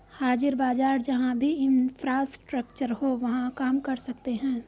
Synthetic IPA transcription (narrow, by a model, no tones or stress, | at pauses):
haːd͡ʒɪəɾbaːd͡ʒaːɾd͡ʒɐɦãbʱiɪ̃nfʰɾaːsʈɾəkt͡ʃəɾɦoʋɐɦãkaːmkɐɾsɐkt̪eɦɛ̃ː